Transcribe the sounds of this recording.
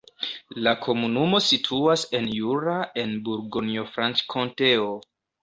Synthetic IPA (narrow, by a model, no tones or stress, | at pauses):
lakʰo̞munumo̞sitʰuase̞njuɾae̞nbuɾɡonio̞fɾant͡ʃkʰo̞nte̞o